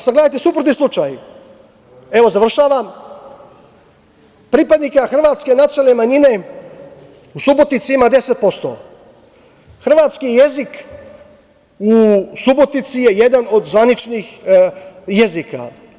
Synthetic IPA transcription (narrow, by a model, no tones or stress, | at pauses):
saɡleajt̪esupɾot̪islˠut͡ʃaːj | e̞ʋo̞zar̩ʃaːʋa | pɾipad̪nikaxr̩ʋaːt̪ske̞nat̪ialnemaɲine̞ | usubo̞t̪nit̪siimad̪e̞set̪̚po̞st̪o̰ | xr̩ʋaːt̪skije̞zik | usubot̪nit̪sije̞je̞d̪ano̞d̪zʋanit͡ʃnix | jezika̰